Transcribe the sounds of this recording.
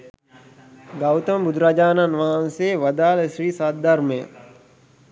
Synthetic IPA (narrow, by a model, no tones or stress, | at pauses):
ɡawt̪əmbud̪ʱɾad͡ʒaːnanʋaɦanseːʋɐd̪aːləsɾiːsat̪̚d̪arməjə̰